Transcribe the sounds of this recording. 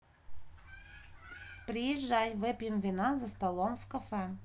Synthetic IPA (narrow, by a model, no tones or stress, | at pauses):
pɾʲɪjɪʒːajvɨpʲjɪmvʲɪnazɐst̪ɐlˠomvkafɛ